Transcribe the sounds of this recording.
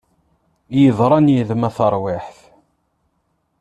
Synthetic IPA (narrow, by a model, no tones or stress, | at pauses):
jəðˤɾˤɑnjiðmæθəɾˤwɪħθ